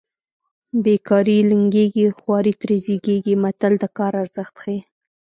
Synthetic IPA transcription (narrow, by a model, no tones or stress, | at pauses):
bekɑɾilɪŋɡeɡixwɑɾit̪ɾeziɡeɡimat̪ald̪əkɑɾaɾz̥əxt̪xe